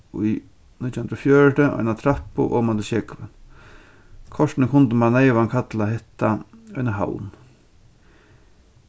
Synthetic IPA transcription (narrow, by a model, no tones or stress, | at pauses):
uj | nɪt̪jhnɾɔfjœːɹʈəʔɔ̰jnat̪ʰɾapːʊ̰ʔo̰ːmant̪ɪʃɛkʋɪ̰n | kʰɔʂt̪ɪnəkʰʊnt̪əmanːejʋankʰat̪laɦɛht̪ːaɔjnaɦa̰wn